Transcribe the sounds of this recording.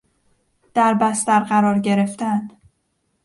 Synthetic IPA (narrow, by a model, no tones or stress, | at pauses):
d̪̥æɾbæst̪æɾɢæɾɒːɾɟe̞ɾe̞ft̪æn